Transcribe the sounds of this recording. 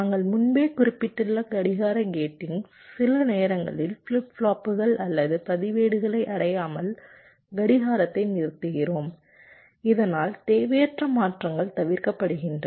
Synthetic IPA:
aːŋɡɐɭmʊnbeːkʊɾɪpːɪʈːɯlːɐɡɐɽɪɣaːɾɐɡeːʈːɪŋ | sɪlɐneːɾɐŋɡɐ̰ɭɪlfɭɪpfɭaːpːɯɣɐɭɐlːɐðɯpɐðɪʋeːɽɯɣɐɭɐɪʔɐɽɐjaːmɐl | ɡɐɽɪɣaːɾɐt̪ːɐɪnɪɾɯt̪ːɯɣɪroːm | ɪðɐnaːlt̪eːʋɐjɐʈrɐmaːʈrɐŋɡɐɭt̪ɐʋɪɾkɐpːɐɽɯɣɪndrɐ

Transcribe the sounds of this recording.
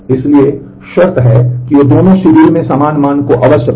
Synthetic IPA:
ɪslie | ʃɐɾt̪ɦɛkiʋoːd̪oːnõʃʊɾiːɾmẽsamaːnmaːnkoʔɐʋəsjə

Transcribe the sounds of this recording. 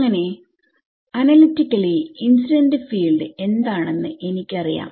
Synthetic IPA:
ŋːɐne̞ | ɐnɐlitːikʲːɐɭiinsudɐndefiːlɖɨe̞nd̪aːɳe̞nːɨʔe̞nikʲːɐrija̰ːm

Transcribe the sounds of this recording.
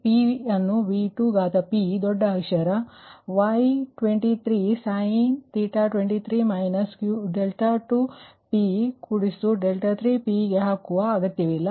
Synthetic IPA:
piɐnːuʋiːʈuːɡaːt̪ɐpid̪ɔɖːɐɦɐkʂɐɾɐʋɐjʈʋeɳʈit̪ʰɾiːsɐjint̪iːʈaʈʋeɳʈit̪ʰɾiːmɐjnɐskjuɖelʈɐʈu | pikuɽist̪uɖelʈɐt̪ʰɾiːpiːɡeɦaːkːuʋɐːɡɐt̪jɐʋilːɐ

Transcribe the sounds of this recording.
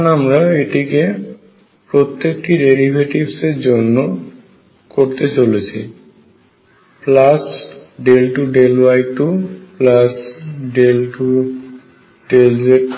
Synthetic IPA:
namɾaeʈike | pɾot̪ːekʈiɖeɾibʱeʈibseɾd͡ʑonːo | koɾt̪et͡ɕolet͡ɕʰi | plasɖelʈuɖelwajʈuplasɖelʈu | ɖelzeʈ

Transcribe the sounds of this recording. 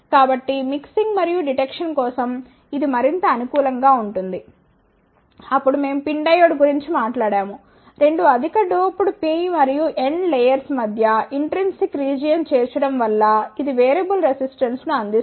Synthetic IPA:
kaːbɐʈːimiksiŋɡmɐɾijuɖiʈekʂɐnkɔːsɐm | id̪imɐɾint̪ɐːnukuːlɐŋɡaːuɳʈund̪i | ɐpːuɽume̞ːmupiɳɖɐjoːɽɡuɾiɲt͡ʃimaːʈlaːɽaːmu | ɾe̞ɳɖuɐd̪ʱikɐɖoːpuɽupiːmɐɾijuʔe̞ɳɖlejɐɾsmɐd̪ʱjɐiɳʈɾensikɾiːd͡ʒijɐnt͡ʃeːt͡ʃɐɽɐmʋɐlːɐid̪iʋeːɾɐbulɾesisʈɐnsnuɐnd̪is

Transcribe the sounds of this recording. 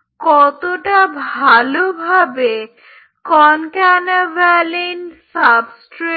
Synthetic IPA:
kɔt̪oʈabʱalobʱabe | kɔnkanebalinsabsʈɾe

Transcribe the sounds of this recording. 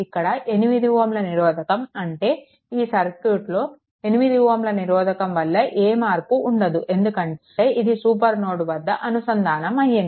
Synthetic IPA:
ikːɐɽɐʔe̞nimid̪iʋɐmlɐniɾɔːd̪ʱɐkɐmɐɳʈe̞ː | iːsɐɾkjuːʈlo̞ː | e̞nimid̪iʋɐmlɐniɾɔːd̪ʱɐkɐmʋɐlːɐʔeːmaːɾpuʔːɳɖɐd̪uʔe̞nd̪ukɐɳ | eːʔid̪isuːp̬ɐɾnoːɽuʋɐd̪ːɐʔɐnusɐnd̪ʱaːnɐmɐjːɐn

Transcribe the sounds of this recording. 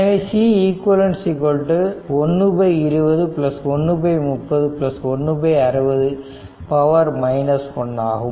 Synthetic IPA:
ɐʋesiːiːkʋɐlɐnsikɔlʈːɯɔnːɯbɐɪɪɾɯʋɐðɯplɐsɔnːɯbɐɪmʊpːɐðɯplɐsɔnːɯbɐɪɐɾɯbɐðɯ | pɐʋɐɾmɐɪnɐskɔɳːa̰ːɣɯ

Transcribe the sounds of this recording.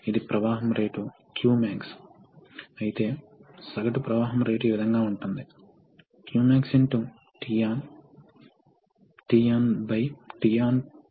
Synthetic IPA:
id̪ipɾɐʋaːɦɐmɾeːʈu | kjuːmaːks | ɐjit̪e̞ː | sɐɡɐʈupɾɐʋaːɦɐmɾe̞ːʈueːʋid̪ʱɐŋɡaːuɳʈund̪i | kjuːmaːksiɳʈu | ʈijaːn | ʈiːaːnbɐjʈijaːn

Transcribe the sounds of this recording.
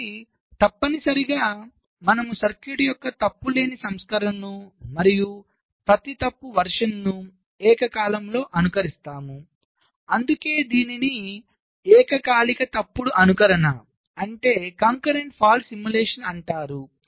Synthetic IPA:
i | t̪ɐpːɐnisɐɾiɡaː | mɐnɐmusɐɾkjuɽijɔkːɐt̪ɐpːule̞ːnisɐmskɐɾɐnnumɐɾiju | pɾɐt̪it̪ɐpːuʋɐɾʂɐnːu | ɛːkɐkaːlɐmlo̞ːʔɐnukɐɾist̪aːmu | ɐnd̪uke̞ːd̪iːnini | ɛːkɐkaːlikɐt̪ɐpːuɽuʔɐnukɐɾɐnɐ | ɐɳʈe̞ːkaːŋkɐɾe̞ɳʈpʰaːlsimjuleːʂɐnɐɳʈaːɾu

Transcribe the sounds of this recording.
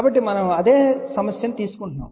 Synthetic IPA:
aːbɐʈːimɐnɐmɐd̪eːsɐmɐsjɐnt̪iːsu̥koɳʈuna̰ːm

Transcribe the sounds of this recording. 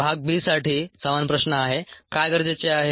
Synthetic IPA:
bʱaɡ̚biːsaʈiːsəʋanpɾəɕnəaɦekajɡəɾd͡ʑet͡ɕeaɦe

